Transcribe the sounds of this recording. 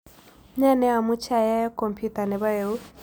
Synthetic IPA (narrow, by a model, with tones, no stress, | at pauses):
ɲa˦˨nɛ˦a˨mu˦t͡ʃa˨ja˦kɔ˨mpʰju˦ta˨nɛ˨βa˦je˨u˦